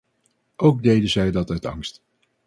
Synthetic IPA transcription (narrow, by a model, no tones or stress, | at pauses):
ʔowɡ̚dejdəzɛjdɑtœtɑ̰ŋst